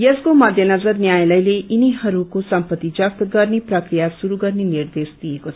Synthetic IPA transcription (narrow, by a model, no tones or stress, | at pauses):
jʌskomʌd̪ʱjʌnʌd͡zʌrnjajlʌjleʔiniɦʌɾukosʌmpʌt̪ːid͡zʌst̪ɡʌrneprʌkrijasuɾuɡʌrnenird̪esd̪ijekot͡sʰʌ